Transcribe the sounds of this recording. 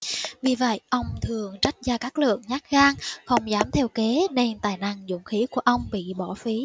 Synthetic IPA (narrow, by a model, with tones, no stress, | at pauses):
vi˨˩və̰˧˨jʔə˧wŋ͡mt̪ʰɨ˨˩əŋt͡ɕa˦˥jk̟̚zaː˧˩kaː˦˥k̚lɨ̰˧˨əŋɲaː˦˥t̚ɣaː˧ŋxə˧wŋ͡mzaː˨˦mt̪ʰɛ˧wke˨˦ne˧nt̪a̰ː˧˨jna˧˩ŋzʊ̰˧˩˨ŋ͡mxi˨˦ku˧˩əʔə˧wŋ͡mɓḭ˧˨ɓɔ˧˩fi˨˦